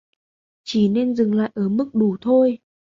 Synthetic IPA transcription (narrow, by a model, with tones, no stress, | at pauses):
t͡ɕi˧˩ne˧nzɨ˨˩ŋla̰ː˧˨jʔəː˧˩mɨ˦˥k̚ɗu˧˩t̪ʰo˧j